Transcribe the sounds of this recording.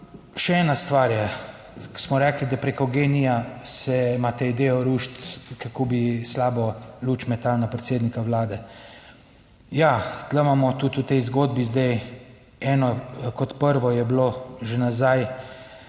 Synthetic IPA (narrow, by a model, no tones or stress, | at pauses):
ʃɛɛːnast̪ʋaːɾjɛ | ksmɔɾɛːklid̪apɾekɔɡeːnijasɛmat̪ɛjd̪eːɔɾuʃt̪kakobislaːbɔlut͡ʃmɛt̪alnapɾɛt̪seːd̪nikawlaːd̪ɛ | jat̪ləmamɔt̪ut̪ut̪ɛjzɡoːd̪bizd̪ɛj | ɛːnɔkɔt̪pəɾʋɔjɛbloʒenazaj